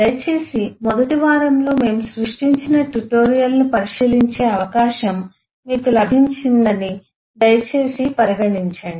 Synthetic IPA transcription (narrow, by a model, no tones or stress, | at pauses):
d̪ɐjɐt͡ʃe̞ːsimɔd̪ɐʈiʋaːɾɐmlo̞ːme̞ːmusɾuʂʈiɲt͡ʃinɐʈuʈo̞ːɾijɐlnipɐɾiʃiːliɲt͡ʃe̞ːɐʋɐkaːʃɐm | miːkulɐbʱiɲt͡ʃind̪ɐni | d̪ɐjɐt͡ʃe̞ːsipɐɾiɡɐɳiɲt͡ʃaːɳɖi